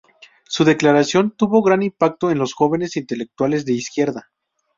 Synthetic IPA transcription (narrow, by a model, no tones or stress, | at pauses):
suðe̞klaɾasjo̞nt̪uβo̞ɣɾanimpak̚t̪o̞e̞nlo̞sxo̞βe̞ne̞sint̪e̞le̞k̚t̪wale̞zðe̞iskje̞ɾða